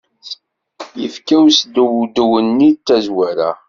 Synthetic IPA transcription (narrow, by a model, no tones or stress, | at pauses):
jəfkæwsd̪wd̪uwənːit͡s̪ːæzwæɾæ̰